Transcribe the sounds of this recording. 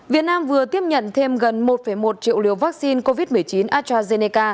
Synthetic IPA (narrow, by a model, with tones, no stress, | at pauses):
vi˨˩ət̚naː˧mvɨ˨˩ət̪i˦˥əp̚ɲə̰˧˨nt̪ʰe˧mɣə˨˩nmo˨˩t̚fə˧˩jmo˨˩t̚t͡ɕḭ˧˨əwlḭ˧˩əwvaː˦˥k̚si˧nko˧vi˦˥t̚mɨ˨˩əjt͡ɕi˨˦nʔaː˦˥t̚t͡ɕaː˧ze˧ne˧kaː˧